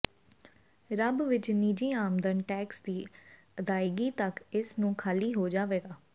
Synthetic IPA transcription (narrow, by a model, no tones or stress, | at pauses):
ɾəbʋɪt͡ʃniːd͡ʒiːaːmd̪ənʈɛːksd̪iː | əd̪aːɪɡiːt̪əkɪsnũːkʰaːliːɦoːd͡ʒaːʋeːɡaː